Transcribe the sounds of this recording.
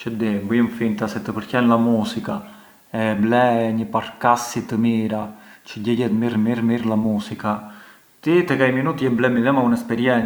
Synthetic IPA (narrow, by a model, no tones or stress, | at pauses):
t͡ʃəd̪imbujumfint̪asɛt̪əpəɾcɛnlamusika | ɛblɛɲəpaɾkasit̪əmiɾat͡ʃəɟɛɟɛt̪miɾmiɾmiɾlamusika | t̪it̪ɛkajminut̪jɛblɛmiðɛmaunɛspɛɾjɛn